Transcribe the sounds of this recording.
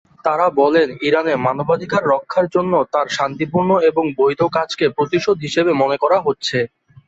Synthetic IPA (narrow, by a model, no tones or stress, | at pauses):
t̪aɾabɔleniɾanemanobad̪ikaɾːɔkʰːaɾd͡ʑonːot̪aɾʃant̪ipuɾnoeboŋbojd̪ʱokat͡ɕkepɾot̪iʃod̪ʱɦiʃebemonekɔɾaɦotːɕʰe